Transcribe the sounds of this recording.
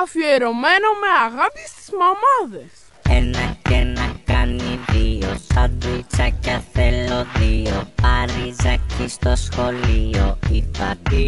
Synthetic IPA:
ɐfieɾomenomeaɣapist̪i̥zmamaðes | enɐcenɐkaniðiosaðit͡ʃacaθeloðiopaɾizacist̪osxolioipat̪i

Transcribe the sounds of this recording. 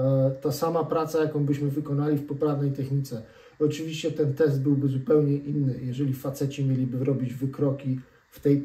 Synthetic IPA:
t̪asamapɾat̪sajakɔ̃w̃bɘɕmɘvɘkɔnalʲifpɔpɾavnɛjt̪ɛxɲit̪sɛ | ɔt͡ʂɘvʲiɕt͡ɕɛt̪ɛnt̪ɛsd̪̚bɘwbɘzupɛwɲɛʔinːɘjɛʐɛlʲifat̪sɛt͡ɕɛmʲjelʲibɘɾɔbʲid͡ʑvɘkɾɔkʲi | ft̪ɛj

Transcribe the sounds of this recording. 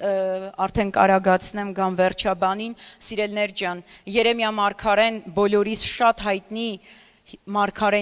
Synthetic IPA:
ɑɾt̪ʰɛnkɑ̰ɾɑɡɑt͡sʰnɛmɡɑmvɛrt͡ʃʰɑbɑninsiɾɛlnɛɾd͡ʒjɑnjɛɾɛmjɑmɑɾkʰɑɾɛnbɔlɔɾisʃɑt̪ɦɑjt̪ni | mɑɾkʰɑɾɛ

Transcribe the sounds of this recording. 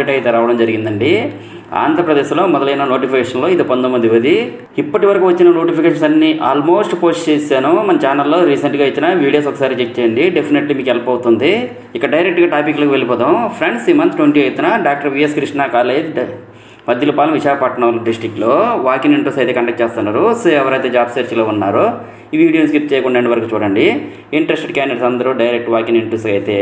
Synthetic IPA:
ʈɐjt̪eːɾaːʋɐɽɐmd͡ʒɐɾiɡind̪ɐɳɖi | a̰ːnd̪ʱɾɐpɾɐd̪eːʃlo̞ːmɔd̪ɐlɐjnɐno̞ːʈipʰikeːʂɐnlo̞ːid̪ipɐnd̪ɐmɐnd̪iʋɐd̪i | ipːɐʈiʋɐɾɐkuːʋɐt͡ʃːinɐnoːʈipʰikeːʃɐnsɐnːiːʔaːlmo̞ːsʈpo̞ːsʈt͡ʃeːsaːnumɐnɐt͡ʃaːnɐlːoːɾiːsɐɳʈɡaːjit̪ːinaʋiːɽijoːsɔkːɐ̥saːɾit͡ʃet͡ʃːeːjɐɳɖiɖepʰineʈlimiːkɛlɐpɐwt̪und̪i | ikːɐɽɖɐjɾek̚ʈɡaːʈaːpikːlɐkiʋe̞lipɔːt̪ɐmpʰɾeɳɖsimɐnt̪ʈʋeɳʈiɐjit̪inɐɖaːk̚ʈɐɾʋiːjeskɾiʂnaːkaːɾlɐjt̪ | mɐd̪ʱjɐlupaːlɐmʋiʃaːkɐpɐʈɳɐlɖisʈɾikːloːʋaːkiniɳʈɾesɐjt̪eːkɐɳʈek̚ʈt͡ʃeːst̪unːaːɾuseɛʋɐɾɐjt̪eːd͡ʒaːbseːɾt͡ʃloːunːaːɾu | iʋiːɽioskɾipt̪ːt͡ʃɛːjɐkuɳɖɐɳɖiʋɐɾɐkuːt͡ʃuːɽɐɳɖi | iɳʈɾesʈɖkaːneɖsɐnd̪ɐɾuɖɐjɾek̚ʈʋaːkiniɳʈɾesɐjt̪eː

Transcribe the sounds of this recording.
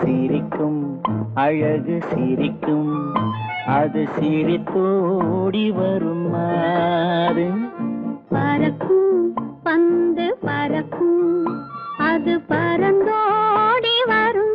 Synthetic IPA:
siɾɪkːɯmɐɻɐɣɯsɪɾɪkːɯm | ɐðɯsiɾɪt̪ːoːɽiʋɐɾɯmaː | ðɯ | pɐɾɐkːɯmpɐnd̪ɯpɐɾɐkːɯm | ɐðɯpɐɾɐnd̪oɽiʋɐɾɯm

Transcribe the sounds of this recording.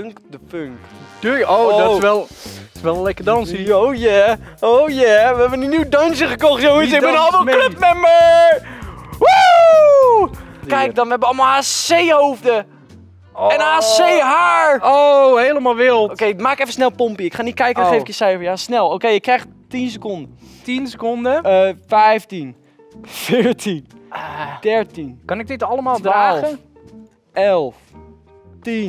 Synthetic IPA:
ŋkdəføŋkd̥øosʋɛlˠɪ̥sʋɛlˠəlɛkədɔnsiojɛowjɛʋəɛbəninywdɔnsjəχəkoxtjoːənsɪk̚bɪnɔlˠʋɔlˠkløp̚mɛmə | wo | kɛjk̚dɔnʋəhɛbəɔlˠmɔlˠaːseːhofdə | ɛnaːseːɦaːɹoɦeləmalˠʋɪlˠtokejmaːkkɛfənsnɛlˠpompiɪkχaːnitkɛjkəəxejfkɪəsɛjfəɹjasnɛlˠokejɪkrɛjx | tins̬əkondətinsəkondəfɛjftin | fɪːɹtʰin | d̥ɛɹtinkɑnɪɡ̚dɪtɑləmaːlˠdalˠə | ɛlˠf | tin

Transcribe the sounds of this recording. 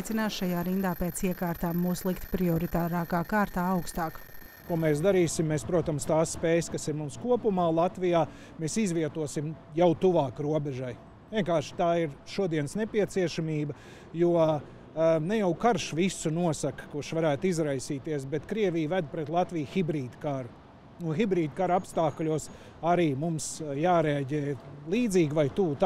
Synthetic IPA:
jt̪sinaːsʃajaːɾind̪aːpeːt̪siɛkaːɾt̪aːmːuːslˠikt̪pɾiɔɾit̪aːɾaːkaːkaːɾt̪aːawkst̪aːk | kuɔmɛːsd̪aɾiːsimːeːspɾuɔt̪amst̪aːsːpeːjskasiɾmumskuɔpumaːlˠat̪ʋijaː | meːsizʋiɛt̪uɔsimjawt̪uʋaːkɾuɔbɛʒaj | viɛŋkaːɾʃt̪aːiɾʃuɔd̪iɛnsnepiɛt̪siɛʃamiːbɐ | juɔ | nɛjawkaɾʃʋisunuɔsakkuɾʃʋaɾæːt̪izɾajsiːt̪iɛsbɛt̪kɾiɛvijvæd̪̚pɾɛt̪lˠat̪vijxibɾiːd̪kaɾʊ | unxibɾiːd̪kaɾapst̪aːklʲuɔs | aɾiːmumsjaːɾeaɟɛːjlˠiːd̪ziːɡvajt̪uːt̪

